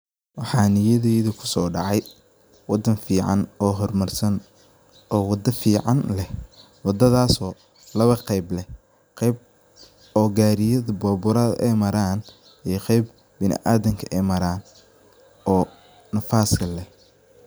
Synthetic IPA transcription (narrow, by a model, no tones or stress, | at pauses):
wɑħɑːnɪjɐðɛːðɐkʰʊ̥sɔːɖɑʕɑj | wɑd̪ɐnfiːʕɑ̰nɔːɦɔrmɐrsɐn | ʔɔːwɑd̪ɐfiːʕɑnlɛh | wɑd̪ɐðaːsɔː | lɐβɐqɛjblɛ | qɛjb̚ | ɔːɡaːɾɪjɐðɐbɔːbʊɾɐðɐ̰ʔɛjmɐɾaːn | ɛjqɛjb | bɪnɪ̰ʔaːðɐŋkʰɐʔɛjmɐɾaːn | ʔɔː | nɐfaːskɐlɛh